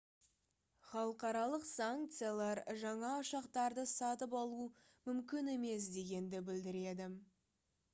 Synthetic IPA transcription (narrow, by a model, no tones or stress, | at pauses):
χɑlˠəqɑɾɑlˠəqsaŋk̚t̪sɨjalˠɑɾʒɑɴɑʊʃɑqt̪ɑɾd̪əsɑt̪əpɑlˠu | mʏmkʲɪne̞me̞s̬d̪e̞ɡʲe̞nd̪ɪbɪld̪ɪɾe̞d̪ɪ